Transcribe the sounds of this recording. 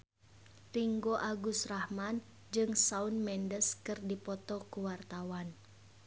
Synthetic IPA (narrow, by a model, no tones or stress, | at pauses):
riŋɡoʔaɡusrahman | d͡ʒɨŋsaunmɛndəskɨrdipɔt̪ɔkuwart̪awan